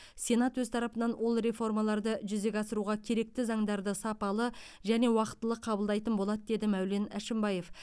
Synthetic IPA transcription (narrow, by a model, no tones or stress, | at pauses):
sʲe̞nɑt̪wɵzt̪ʰɑɾɑpənɑnwʔo̞lˠɾe̞fo̞rmɑlˠɑɾd̪əʒʏze̞kʲɑsəɾuʁɑkʲʰe̞ɾe̞k̚t̪ɪzɑɴd̪ɑɾd̪əsɑpɑlˠə | ʒæne̞wɑqə̥t̪ːəlˠəqʰɑbəlˠd̪ɑjt̪ənbo̞lˠɑd̪əd̪e̞d̪ɪmæwle̞næʃɪmbɑje̞f